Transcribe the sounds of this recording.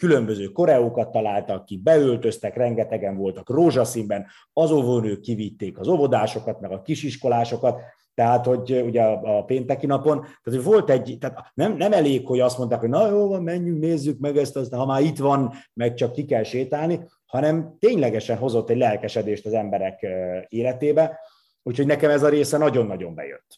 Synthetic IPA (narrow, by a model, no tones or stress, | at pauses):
kylø̞mbøzøːko̞ɾɛokɒt̪ːɒlaːlt̪ɒkːik̚bɛølt̪øst̪ɛkrɛŋɡɛt̪ɛɡɛɱvo̞lt̪ɒkroːʒɒsimbɛn | ɒzovoːnøːkːivit̪ːeːkɒzo̞vo̞d̪aːʃo̞kɒt̪mɛɡɒkiʃiʃko̞laːʃo̞kɒt̪ː | ɛɦaːt̪ho̞ɟuɟɛɒɒpeːnt̪ɛkinɒpo̞nt̪aːt̪hovo̞lt̪ɛɟt̪aːt̪nɛmnɛmɛleːkho̞ɟɒst̪mo̞nt̪aːkɦo̞ɟnɒjoːlvɒmmɛɲːyŋk̚neːzːykmɛɡɛst̪ɒst̪ɦɒmaːɾit̪ʋɒnmɛk̚t͡ʃɒkːikɛlʃeːt̪aːlni | hɒnɛmt̪eːɲlɛɡɛʃɛnɦo̞zo̞t̪ːɛɟlɛlkɛʃɛd̪eːʃt̪ɒzɛmbɛɾɛkeːlɛt̪eːbɛ | uːcʰho̞ɟnɛkɛmɛzɒɾeːsɛnɒɟo̞nːɒɟo̞mbɛ̰jø̰t̪ː